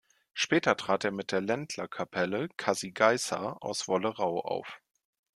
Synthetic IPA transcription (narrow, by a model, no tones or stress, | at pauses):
ʃpɛːtɐtʁ̥aːteːɐmɪt̚d̥eːɐlɛntʰlɐkʰapʰɛləkʰaziɡaɪsa̰ʔa̰ʊsv̥ɔləʁaʊʔa̰ʊf